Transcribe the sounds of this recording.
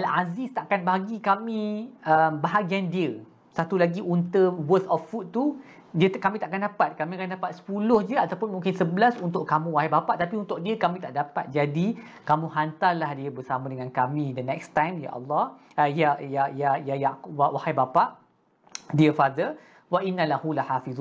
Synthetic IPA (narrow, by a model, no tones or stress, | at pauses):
ʔalazist̪aʔakanbaɦaɡikamĩəmbaɦaɡiandiə | sat̪ulaɡiʔunt̪əwət̪ɔfːut̪ːu | diəkamĩt̪aʔakandapat̪̚kamĩakandapat̪̚sə̥pulʊhd͡ʒəat̪awpʊnmũŋkɪnsəbəlasunt̪ʊʔkamũwaɦajbapaʔt̪apiunt̪ʊk̚diəkamĩt̪aʔdapa̰t̪̚d͡ʒadi | kamũɦant̪arlahdiəbəsamãdəŋãnkamĩdənɛkst̪ajmja̰ʔɑ̰lːɑh | jajajajajawawahajbapaʔ | diəfad̪ə | waʔinːalahulahafiðu